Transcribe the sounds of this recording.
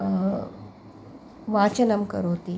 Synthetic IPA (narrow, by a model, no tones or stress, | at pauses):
ʋat͡ɕɐnəmkə̰ɾoːt̪i